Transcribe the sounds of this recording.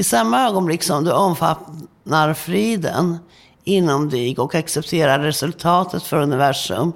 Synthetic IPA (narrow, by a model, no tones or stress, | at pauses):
ɪsamːaøːɡɔnblɪkːsɔmd̪ɵɔmfa̰t̪ | naɾfɾiːd̪ə̰n | ɪnːamd̪iɡɔkaksɛp̚t̪ʰeːɾaɾːɛsɵlt̪ʰɑːt̪ʰət̪fœɾɵnɪvæʂɵ̰m